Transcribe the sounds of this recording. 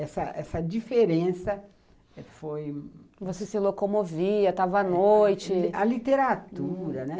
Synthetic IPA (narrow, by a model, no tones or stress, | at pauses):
ɛsɐʔɛsɐd͡ʒifeɾẽsɐ | ɛfojvosesɪlokomoviɐt̪avɐɐnojt͡ʃɪɐlit̪eɾat̪uɾɐnɛ